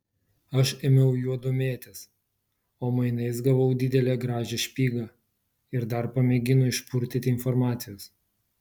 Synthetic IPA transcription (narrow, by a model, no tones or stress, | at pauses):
ɐʃemʲɛʊjuɔd̪ʊmʲeːt̪ʲɛs | oːmɐɪnɐɪs̬ɡɐʋɐʊd̪ʲɪd̪ʲɛlʲeːɡɾɑːʒʲeʃʲpʲiːɡɑː | ɪɾd̪ɐɾpɐmʲeɡʲɪnʊɪʃpʊɾʲt̪ʲɪt̪ʲɪɪnfɔɾmɑːt̪sʲɪjoːs